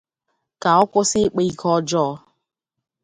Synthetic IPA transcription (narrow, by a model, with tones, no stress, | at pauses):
ka˨ɔ˦kʷʊ˦sɪ˦k͡pe˦i˦kʰɔ˦d͡ʒɔ˦